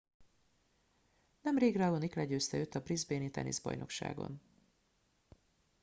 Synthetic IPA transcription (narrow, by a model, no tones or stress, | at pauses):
nɛmreːɡraːɡoniklɛɟøːst̪ɛøːt̪ːɒbrizbeːnit̪ɛ̰nḛːzbɒ̰jno̞kʃa̰ːɡo̞̰n